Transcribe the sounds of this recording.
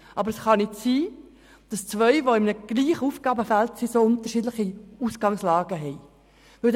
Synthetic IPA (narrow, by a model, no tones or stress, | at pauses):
ʔɑbəɾəsχɑnɪtsiː | d̥ɑst͡sʋœʏʋoɪmnəɡ̥liːχəufɡ̥ɑːbəfæltsisoʊnt̪əʃiːdlɪχiusɡ̥ɑŋslɑːɡəɦɛɪ | vɪl